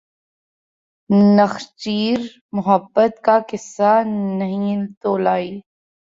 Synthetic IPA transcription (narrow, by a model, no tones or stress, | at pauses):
nəxt͡ʃiːɾ | mʊɦəbːət̪kakɪsːanɐɦĩt̪oːlaːiː